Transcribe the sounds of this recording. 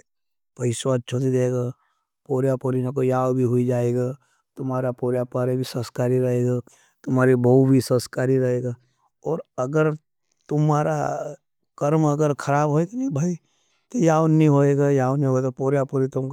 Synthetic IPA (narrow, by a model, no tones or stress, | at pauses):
pɐɪsat͡ʃʰot̪id̪eːɡa | poːɾjapoːɾinõk̬ojaːwbʱiɦʊid͡ʒaːeːɡa | t̪ʊmɦaːɾapoːɾjapaːɾebʱisɐ̃skaːɾiɾɐɦeːɡa | t̪ʊmɦaːɾibʱɐubʱisɐ̃skaːɾiɾɐɦeːɡa | ɔːɾɐɡəɾ | t̪ʊmaːɾa | kɐɾmɐɡəɾkʰɐɾaːbɦoːeːɡanĩbʱaːi | t̪ojaːwnĩɦoːeɡajaːwnĩɦoeɡapoːɾjapoːɾit̪ʊ̃mk